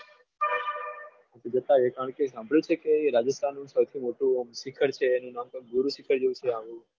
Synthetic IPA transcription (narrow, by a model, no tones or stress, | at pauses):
at̪ed͡ʒət̪aekaɳkesãmbʱəɭjũt͡ʃʰekeɾad͡ʒəst̪ʰanːũsəwt̪ʰimoʈũmsikʰəɾt͡ʃʰeːnũnamkəkɡuɾũsikʰəɾd͡ʒeũt͡ʃʰeaʋũ